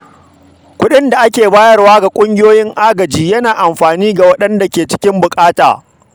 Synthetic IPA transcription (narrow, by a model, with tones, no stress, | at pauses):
kʷʊ˦ɗɪ˦nda˨ʔa˦kʲeː˨baː˦jɐ˦rwaː˦ɡa˨kʷʼʊ˦ŋɡʲɪ˦joː˦jɪ˦ŋʔaː˦ɡɐ˨d͡ʒiː˦jɐ˦naː˨ʔa˨mɸaː˨niː˦ɡa˨wɐ˦ɗɐ˦nda˨kʲeː˨t͡ʃɪ̥˦kʲɪ˦mbʊ˨kʼaː˦ta̰ː˨